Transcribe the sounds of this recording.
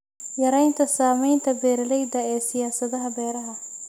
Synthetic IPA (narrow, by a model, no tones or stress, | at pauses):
jɐɾɛjnt̪ʰɐsaːmɛjnt̪ʰɐbɛːɾlɛjd̪ɐɛːsɪjaːsɐðɐɦɐbɛːɾɐɦɐ